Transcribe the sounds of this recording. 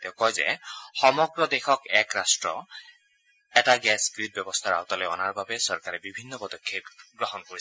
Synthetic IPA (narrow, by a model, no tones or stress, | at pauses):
tɛʊ̃kɔjzɛ̰xɔmɔɡɹɔd̪exɔkɛkɹastɹɔ̰ | ɛtaɡɛskɹid̚bɔbɔst̪ʰaɹa̰ʊt̪ɔlɔjɔnaɹbabɛsɔɹkaɹɛbibʱinːɔpɔd̪ɔkʰːepɡɹɔɦɔnkoi